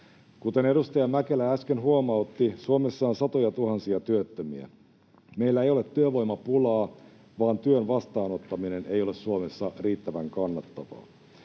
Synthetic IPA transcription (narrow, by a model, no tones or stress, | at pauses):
kut̪e̞ne̞ɾust̪ɑjɑmækelææskenɦuomɑut̪ːisuomesːɑːnsɑt̪ojɑt̪uhɑnsiɑt̪yøt̪ːømiæ̰ | meilːæejo̞le̞t̪ːyøʋo̞jmɑpulɑː | ʋɑːnt̪yønʋɑst̪ɑːno̞t̪ːɑminene̞jo̞lessuomesːɑriːt̪ːæʋæŋkɑnːɑt̪ːɑʋɑ̰ː